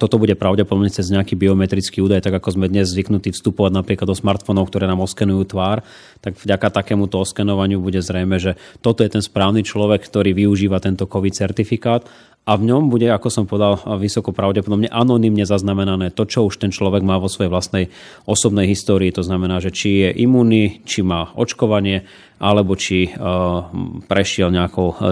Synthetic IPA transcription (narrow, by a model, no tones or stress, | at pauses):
t̪ɔt̪ɔbuɟɛpɾaʊɟɛpɔd̪ɔbɲɛt͡sɛzɲɛakiːbiɔmɛt̪ɾit͡skiːuːd̪ajt̪aɡakɔzmɛd̪ɲɛzzʋiknut̪iːfst̪upɔʋaɟnapɾiklad̪ɔsmaɾt̪fɔnɔʊkt̪ɔɾɛːnaːmɔskɛnujuːt̪ʋaːɾ | t̪aɡvɟakat̪akɛːmut̪ɔɔskɛnɔʋaɲɪubuɟɛzɾɛjmɛʒɛt̪ɔt̪ɔjɛt̪ɛnspɾaːʊnit͡ʃlɔʋɛkkt̪ɔɾiːʋiuʒiːʋat̪ɛnt̪ɔkɔʋit͡sɛɾt̪ifikaːt̪ | avɲɔmbuɟɛakɔsɔmpɔʋɛd̪alʋisɔkɔpɾaʊɟɛpɔd̪ɔbɲɛʔanɔnimɲɛzaznamɛnanɛːt̪ɔt͡ʃɔuʃt̪ɛnt͡ʃlɔʋɛɡmaːʋɔsʋɔjɛʋlast̪nɛj | ɔsɔbnɛjɦist̪ɔːɾiːt̪ɔznamɛnaːʒɛt͡ʃijɛʔimuːnit͡ʃimaːʔɔ̰t͡ʃkɔʋaɲɪɛ | ʔalɛbɔt͡ʃi | pɾɛʃɪɛlɲɛakɔʊ